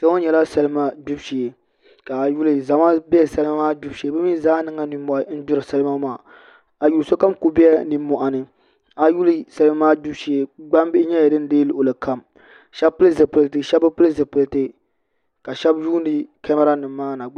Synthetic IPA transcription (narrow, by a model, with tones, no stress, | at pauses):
sa˦o˦ɲɛ˨la˦sɛ˦lɨ˦ma˦du˦bʃi˨e˨ | ka˨ju˦lɨ˨za˨ma˦bɛ˦˨sa˦lɨ˦ma˦maː˦du˦bʃi˨e˨bɨ˦mi˦zaː˦nɨ˨˦ŋa˦ni˨˦ɔ˦ʔa˨˦n̩˦dʊ˦ɾɨ˨sa˦lma˦maː˦˨ | a˨ju˨so˦ka˦mku˦bɛ˦ɛ˦niː˨˦ɔ˨ʔa˨nɨ˨ | a˨ju˦lɨ˦sa˨lɨ˦ma˦maː˦du˦bʃi˨e˨ɡ͡ba˦mbɪ˦ɪ˦ɲɛ˦ja˨dɨ˦n˦deː˦lu˨ʔo˨lɨ˨ka˦˨m | ʃɛ˦bpɨ˦lɨ˦zɨ˨pɨ˨lɨ˨tɨ˨ʃɛ˦bɨ˦pɨ˦lɨ˦zɨ˨pɨ˨ltɨ˦ | ka˨ʃɛ˦bʒuː˦ndɨ˦kɛ˦ma˦ɾa˦nɨ˨mː˦aː˦na˨